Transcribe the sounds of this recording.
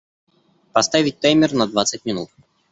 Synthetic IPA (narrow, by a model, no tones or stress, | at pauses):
pɐst̪avʲɪt̚ʲt̪ajmʲɪrnɐd̪vat̪sətʲmʲɪnut̪̚